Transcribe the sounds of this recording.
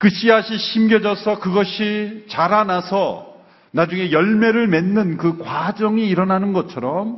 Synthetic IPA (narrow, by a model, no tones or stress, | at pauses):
kɯɕ͈ʰiɦaɕʰiɕʰimɡjʌd͡ʑʌsʰʌkɯɡʌɕʰit͡ɕaɾanasʰʌ | nad͡ʑuŋe̞jʌɭme̞ɾɯɭme̞nːɯnkɯkwad͡ʑʌŋiːɾʌnanɯnɡʌt͡ɕʰʌɾʌm